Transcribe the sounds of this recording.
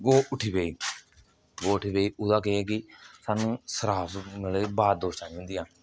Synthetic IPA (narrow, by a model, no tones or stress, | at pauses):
ɡoːʔʊʈʰiːpeːiː | ɡoːʊʈʰiːpeːiːʔʊd̪aːkeeːkɪsaːnũːsəɾaːpɡəleːbaːd̪oːst͡ʃaːniːɦʊ̃nd̪ijãː